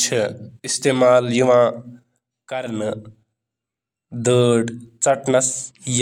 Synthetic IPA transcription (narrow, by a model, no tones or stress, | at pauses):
t͡ʃʰɐist̪eːmaːljuʋãː | kɐɾn | d̪əːɽt͡sɐʈnɐsj